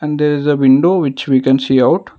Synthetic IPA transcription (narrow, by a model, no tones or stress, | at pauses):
ɛ̃ɳɖd̪eːɾɪzəʋɪ̃ɳɖoːʋɪt͡ʃʋiːkɛ̃nsiːaʊʈ